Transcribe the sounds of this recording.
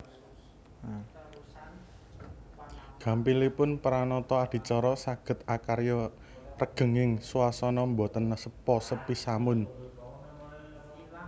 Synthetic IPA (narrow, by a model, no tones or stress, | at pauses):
ɡ̥ä̤mpilipʊnpəɾanɔt̪ɔad̪̥i̤t͡ʃɔɾɔsaɡ̥ə̤t̪akaɾjɔ | rəɡ̥ə̤ŋɪŋsuasɔnɔmbɔt̪ənːasəpɔsəpisamʊn